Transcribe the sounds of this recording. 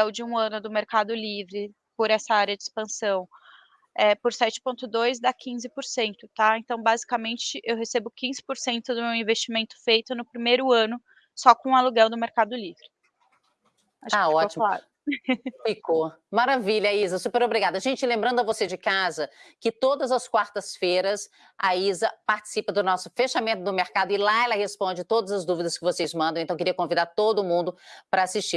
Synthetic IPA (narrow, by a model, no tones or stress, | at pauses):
ɛwd͡ʒɪũɐ̃nʊd̪ʊmeɾkad̪ʊlivɾɪ | poɾɛsɐaɾjɐd͡ʒɪispɐ̃sɐ̃w̃ | ɛpʊɾsɛt͡ʃɪ̥põnt̪ʊd̪ojzd̪ɐkʰĩzɪpoɾsẽnt̪ʊt̪aẽnt̪ɐ̃w̃bazikɐmẽnt͡ʃɪʔewɦesebʊkĩzɪ̥poɾsẽnt̪ʊd̪ʊmewĩvest͡ʃimẽnt̪ʊ̥fejt̪ʊnʊpɾimejɾʊɐ̃nʊ | sɔkõɐluɡɛwd̪ʊmeɾkad̪ʊlivɾɪ | aʃaɔt͡ʃimfalaɾ | fikomaɾaviʎɐaizɐsupeɾobɾiɡad̪ʊɐʒẽnt͡ʃɪlẽmbɾɐ̃nd̪ʊɐvosed͡ʒɪkazɐkɪt̪od̪ɐzɐskwaɾt̪ɐsfeɾɐs | aizɐpaɾt͡ʃɪ̥sipɐd̪ʊnɔsʊfeʃamẽnt̪ʊd̪ʊmeɾkad̪ʊɪlaɛlɐhespõd͡ʒɪt̪od̪ɐzɐzd̪uvid̪ɐskɪvosezmɐ̃nd̪ɐ̃w̃t̪ɐ̃wkeɾiɐkõvid̪aɾt̪od̪ʊmũnd̪ʊpɾɐasiʃt͡ʃi